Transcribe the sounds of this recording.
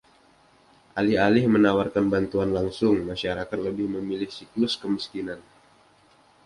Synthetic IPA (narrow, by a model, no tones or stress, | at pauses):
ʔalialɪhmənawarkanbant̪uanlaŋsʊŋmaʃaɾakat̪̚ləbɪhməmilɪhsiklʊskəmiskinan